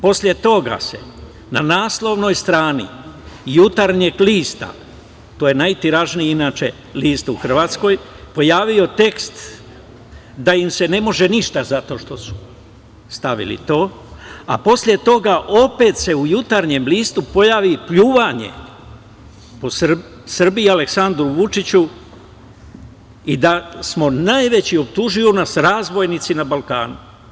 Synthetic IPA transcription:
po̞sʎʲe̞t̪o̞ɡa̰se̞̰ | nanaːslˠo̞ʋno̞jst̪ɾaːnḭjut̪aɾɲeɡliːst̪a̰ | t̪oːjenajt̪iɾaʒnijinaːt͡ʃe̞ | liːst̪uxr̩ʋat̪sko̞j | po̞jaːʋio̞t̪e̞kst̪ | d̪aimse̞ne̞mo̞ʒe̞niʃt̪azat̪o̞ːʃt̪o̞su̥ | st̪aʋḭlḭt̪o̞ː | a̰po̞sʎʲe̞t̪o̞ɡaʔo̞pet̪se̞ujut̪aɾɲe̞mliːst̪upo̞jaːʋipʎuːʋaɲe̞̰ | po̞sr | sr̩biiale̞ksand̪ɾuʋut͡ʃit͡ɕu | id̪asmo̞najʋe̞t͡ɕio̞pt̪uʒiunasɾaːzʋo̞jnit̪sinabalkaːnu

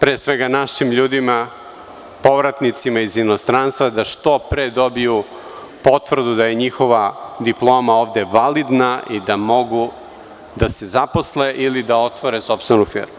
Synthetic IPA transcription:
pɾesʋeɡanaʃimʎuːd̪ima | po̞ʋɾat̪nit̪simaizino̞st̪ɾanst̪vad̪aʂt̪o̞pɾed̪o̞biju | po̞t̪vr̩d̪ud̪aje̞ɲixo̞ʋad̪iplˠo̞ːmaoːʋd̪e̞ʋalid̪naʔid̪amo̞ɡu | d̪asezapo̞sleʔilid̪ao̞t̪ʋoɾeso̞pst̪venufḭɾmu

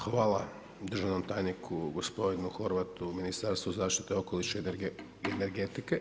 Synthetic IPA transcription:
xʋaːla | d̪r̩ʒaʋno̞mt̪aːjnikʰuɡospo̞d̪inuxo̞ɾʋat̪uminist̪aɾst̪ʋuzaːʃt̪i̥t̪eo̞ko̞liʃe | eneɾɡet̪ike

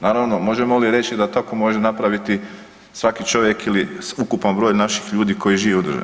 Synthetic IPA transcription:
naːɾaʋno̞mo̞ʒe̞mo̞liɾe̞t͡ʃid̪at̪ako̞mo̞ʒe̞napɾaʋit̪i | sʋakit͡ʃo̞ʋje̞kiliukupanbɾo̞ːʎnaʃixʎuːd̪iko̞jiʒiːʋeud̪rʒḛn

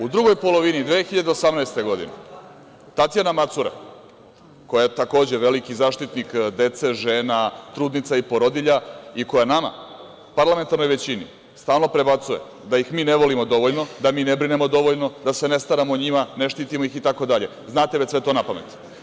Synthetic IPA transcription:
ud̪ɾuɡo̞jpo̞lo̞ʋinid̪ʋexiʎad̪eo̞samnajst̪e̞ɡo̞d̪ḭnḛ | t̪at̪janamat̪suɾa̰ | ko̞jat̪ako̞ːd͡ʑe̞ʋe̞likizaːʃt̪it̪nikd̪e̞t̪se̞ʒe̞ːnat̪ɾuːd̪nit̪saipo̞ɾo̞d̪iʎaiko̞janama̰ | paɾlame̞nt̪aɾno̞jʋe̞t͡ɕinḭ | st̪aːlˠno̞pɾe̞bat̪suje̞̰ | d̪ajixmiːne̞ʋo̞limo̞d̪o̞ʋoʎno̞d̪amiːnebɾine̞mo̞d̪o̞ʋo̞ʎno̞d̪ase̞ne̞st̪aɾamoɲimane̞ʃt̪iːt̪imo̞ixit̪ako̞d̪aʎe̞ | znaːt̪eʋet͡ɕsʋe̞t̪o̞napamḛt̪

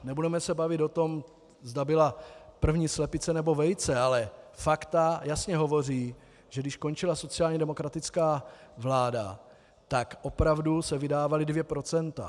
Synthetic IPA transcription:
nɛbudɛmɛsɛbavɪt̪o̞t̪o̞m | zdabɪlapr̩vɲiːslɛpɪt͡sɛnɛbo̞vɛjt͡sɛalɛfakt̪ajasɲɛɦo̞vo̞riː | ʒ̥ɛɡdɪʃko̞nt͡ʃɪlaso̞t͡sɪaːlɲɛdɛmo̞kɾat̪ɪt͡skaːvlaːda̰ | t̪akʔo̞pɾavdusɛvɪdaːvalɪdvjɛpɾo̞t͡sɛnt̪a̰

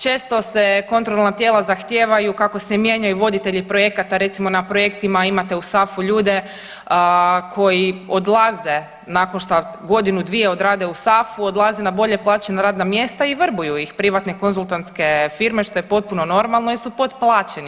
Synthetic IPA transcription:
t͡ʃe̞ːst̪o̞seko̞nt̪ɾo̞lˠnat̪jelˠazaxt̪je̞ːʋajukako̞semje̞ɲajuʋo̞d̪it̪e̞ʎipɾo̞jekat̪aɾe̞t̪simo̞napɾo̞je̞kt̪imaimat̪e̞usafuʎuːd̪e̞ | kʰo̞jiod̪lˠaze̞ | nako̞nʃt̪aɡo̞d̪inud̪ʋije̞o̞d̪ɾaːd̪eusafuod̪lˠazenabo̞ʎe̞plˠaːt͡ɕenaɾaːd̪namje̞st̪aiʋər̩bujuixpɾiʋat̪ne̞ko̞nzulˠt̪ant̪ske̞fiːɾme̞ʃt̪o̞je̞po̞t̪̚puno̞no̞ɾmalˠnoisupo̞d̪plˠaːt͡ʃeni

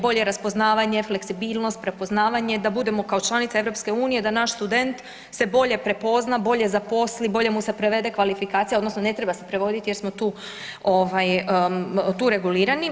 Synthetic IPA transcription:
bo̞ʎe̞ɾaspo̞znaːʋaɲe̞fle̞ksibiːlˠno̞st̪̚pɾe̞po̞znaːʋaɲe̞d̪abud̪e̞mokaot͡ʃlˠanit̪saeɾo̞pske̞uːnije̞d̪anaʃst̪ud̪e̞nt̪ | se̞bo̞ʎe̞pɾe̞po̞znabo̞ʎe̞zapo̞slibo̞ʎe̞muse̞pɾe̞ʋe̞d̪e̞kʋalifikaːt̪sijaod̪nosno̞ne̞t̪ɾe̞base̞̥pɾe̞ʋo̞d̪it̪ije̞ɾsmo̞t̪uː | o̞ʋaj | t̪uːɾe̞ɡuliːɾani

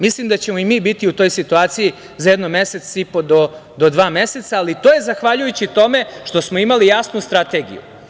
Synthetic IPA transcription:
mislimd̪at͡ɕemo̞imiːbit̪iut̪o̞ːjsit̪uaːt̪siji | zajed̪nomese̞t̪sipo̞d̪o̞d̪o̞d̪ʋaːme̞se̞t̪saːlit̪oːje̞zaxʋaʎujut͡ɕit̪o̞me̞ʃt̪o̞smo̞imalijasnust̪ɾat̪e̞ːɡḭjṵ

